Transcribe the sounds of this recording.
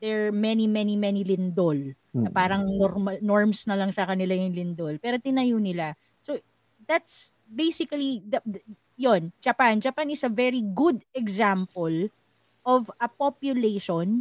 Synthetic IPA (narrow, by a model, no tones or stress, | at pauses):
d̪ɛɹmɛnimɛnimɛnilɪnd̪ol | nɐpaːɾɐŋnɔɾmɐnoɹmsnɐlɐŋsɐkɐnɪlajʊŋlɪnd̪olpɛːɾot̪ɪnɐjunɪla | so | d̪at̪s | bejsɪkɐlid̪ɐ | jond͡ʒɐpand͡ʒɐpanɪsɐvɛɹiɡʊd̪ɛɡzampɔl | ʔɔvɐpɔpjʊleʃɔn